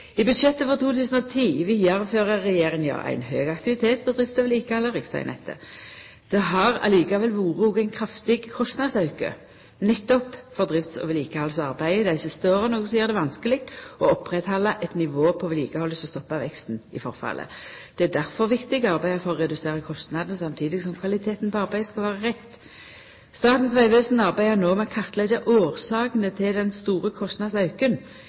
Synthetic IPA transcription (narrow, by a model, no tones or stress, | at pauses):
ɪbʉd̪ʃɛt̪ːəfɔʁt̪ʰuːt̪ʰʉːsən̩ɔt̪ʰiːʋɪɑʁəføːʁəːɛjeːʁɪŋjɑ̰ʁæ̰ɪnhøːɡɑkt̪ɪʋɪt̪ʰeːt̪̚pʰɔd̪ʁɪft̪sɔʋɛliːkəhɑlːəʁɪksɑ̰ɪ̰nʔɛ̰t̪ʰːə̰ | d̪̥ɛɦɑʁɑ̰liːkɑʋɛlʋuːʁəuːɡəæɪnkʰɾɑft̪ɪɡkʰɔst̪nɑd̪sɑʉkə̰ | nɛt̪ːɔpfɔʁd̪ʁɪft̪sɔ̰ʋəliːkəhɑlsɑʁbæɪd̪æɪsəst̪əoːʁənoːɡəsɔjːʁd̪ɛʋɑnskəlɪɡt̪ɔɔpːʁɛt̪hɑlːɑʔɛt̪nɪʋoːpʰɔʋɪliːkəhɔlːəsɔst̪ɔpːɑʋɛkst̪n̩ɪ̰fɔʁfɑ̰lʔə̰d̪̥ɛæd̪æʁfɔʁʋɪkt̪ɪɡəɑʁbæɪəfɔʁɔʁɛd̪ʉseːʁəkʰɔst̪nɑd̪nsɑmt̪ʰiːd̪ɪɡsɔmkʰʋɑlɪt̪ʰeːt̪n̩pʰɔɑʁbæɪəskɑlʋæːʁəʁɛt̪ː | st̪ɑːt̪n̩sʋæɪʋøːsnɑʁbæɪənoːmɛkʰɑʁt̪lɛd͡ʒəʔoːʁsɑːkənət̪ʰɪld̪ɛnst̪uːʁəkʰɔst̪nɑd̪sɑʉkən